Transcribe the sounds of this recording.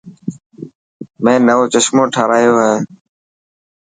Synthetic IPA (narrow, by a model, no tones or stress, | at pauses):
mẽːnəʋoːt͡ʃəʃmõːʈʰaːɾaːjoːɦẽː